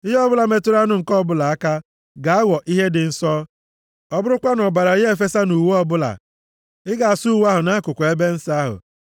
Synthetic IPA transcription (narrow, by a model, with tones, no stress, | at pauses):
i˦ɦe˦ɔ˦bʊ˦la˨me˨tu˦ɾa˦nʊ˨ŋ̩˨kɔ˦˨bʊ˦la˨a˦ka˦ | ɡa˨a˦wɔ˨ʔi˦ɦe˦dɪ˨n̩˦sɔ˦ | ɔ˦bʊ˦ɾʊ˦kʷa˦nɔ˨ba˨ɾa˨˦e˦fe˦sa˦nu˨we˦ɔ˦bʊ˦la̰˨ | ɪ˦ɡa˨a˨su˦wa˦ɦʊ˨na˦kʊ˨kʷe˦be˦n̩˦sa˦ɦʊ̰˨